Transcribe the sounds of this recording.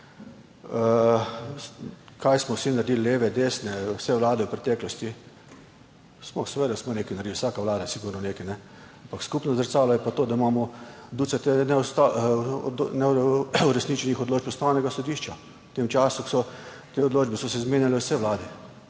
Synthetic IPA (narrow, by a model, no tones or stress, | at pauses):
ə | kajsmɔwsinaɾd̪iːllːeːʋɛd̪esnɛwsɛʋlaːd̪ɛwpɾɛt̪ɛːklɔst̪i | smɔsɛʋeːd̪asmɔneːkinaɾd̪iwsaːkaʋlaːd̪asiɡuɾnɔnekinɛ | ampakskupnɔzəɾsaːlɔjɛpat̪oːd̪aimaːmɔd̪usɛt̪enɛɔst̪a | nɛuɾɛsnit͡ʃɛnixɔd̪loːd͡ʒpust̪aːwnɛɡasɔd̪iːʃt͡ʃa | t̪emt͡ʃaːsuksɔ | t̪eɔd̪loːd͡ʒbɛsɔsɛzmeːnjalɛwsɛʋlaːd̪ɛ